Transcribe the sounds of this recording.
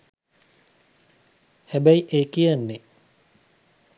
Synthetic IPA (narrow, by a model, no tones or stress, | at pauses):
hæbæiʔeːkijɐnːe